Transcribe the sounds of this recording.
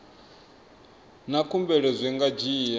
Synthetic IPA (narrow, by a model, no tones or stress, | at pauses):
nakʰumbɛɺɛzʷɛŋɡad͡ʒiːja